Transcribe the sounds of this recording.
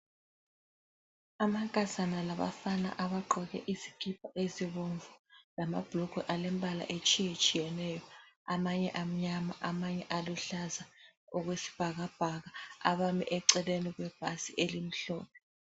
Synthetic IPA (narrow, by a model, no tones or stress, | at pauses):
amaŋkʼazanalaβa̰fana̰ʔaβaǃɔɣɛ̰ʔizi̥kʰʼip̚ʰʼaʔeziβoɱvulama̰b̥ʱlukuʔalem̩bʱala̰ʔet͡ʃʼijet͡ʃʼijɛnɛjɔamaɲɛʔam̩ɲamaʔamaɲɛʔaluɬazaɔɣwesi̥b̥ʱaɣab̥ʱaɣaaβamḭʔɛǀɛleniɣwɛb̥ʱasiʔelim̩ɬo̰ːnɛ